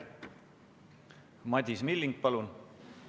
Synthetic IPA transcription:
mɑd̪ʲismilːiŋɡ̚pɑlun

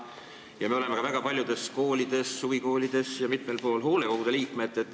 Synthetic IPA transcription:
jɑmeole̞mekɑvæɡ̥ɑpɑlʲjud̪̥e̞sko̞ːlʲid̪̥e̞sːuɡiko̞ːlʲid̪̥e̞sjɑmit̪me̞lpo̞ːlɦo̞ːle̞ko̞ɡ̥ud̪e̞liːkme̞t̪ːˑet̪ːˑ

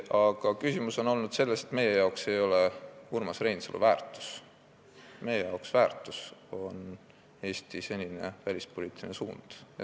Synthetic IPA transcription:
ɑɡ̥ɑkysimuso̞no̞lnud̪̥se̞lːe̞se̞t̪me̞jːe̞jɑokse̞jo̞le̞hurmɑsre̞jnsɑ̰lṵvæːrt̪ːˑu̥s | me̞jejɑoksvæːrt̪ːˑuso̞n | e̞ːst̪ise̞nʲine̞̰vælʲispo̞liːt̪ːˑilʲinesuːnd̪̥jɑ̰

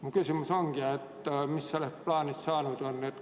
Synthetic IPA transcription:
mukysymːysoŋkiɑet̪ːæmisːoleplɑːnissɑːnut̪onnet̪

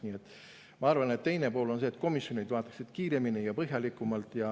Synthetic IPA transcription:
nie̞t̪ːˑ | mɑɑrvɑne̞t̪t̪ːe̞jne̞po̞ːlo̞nse̞ːt̪̚ːˑko̞misjo̞nid̪vɑːt̪ːˑɑ̥ksid̪̥kiːɾeminijɑpɤɦjɑlikːˑumɑlt̪ˑjɑ

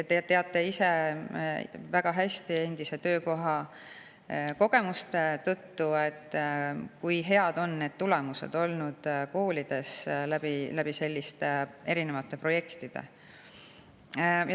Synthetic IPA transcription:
et̪et̪ːe̞ɑt̪ːˑe̞ise̞ | væɡ̥ɑɦæsʲt̪ie̞nd̪̥ise̞t̪ø̞ːko̞ɦɑ | ko̞ɡ̥e̞must̪e̞t̪ɤt̪ːue̞t̪ːkujɦe̞ɑd̪o̞nːe̞ːd̪̥̚t̪ule̞muse̞̰d̪̥o̞lnud̪̥ko̞ːlʲid̪̥e̞slæb̥ilæb̥ise̞lʲːist̪ee̞ɾine̞vɑt̪ːˑe̞pro̞je̞kt̪id̪̥e̞̰ | j

